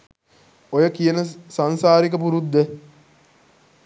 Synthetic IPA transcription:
ojəkijənəsansaːɾik̬əpuɾud̪ːe

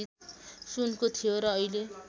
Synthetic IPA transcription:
isunkot̪ʰijoɾʌːile

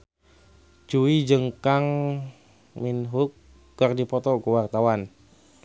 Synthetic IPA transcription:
t͡ʃuid͡ʒəŋkaŋ | minɦukː | ərdipɔt̪ɔkuwart̪awan

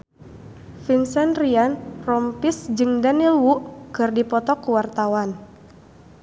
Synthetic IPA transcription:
fiŋsɛnrianrɔmpisd͡ʒɨŋdanilwuʔkɨrdipɔt̪ɔkuwart̪awan

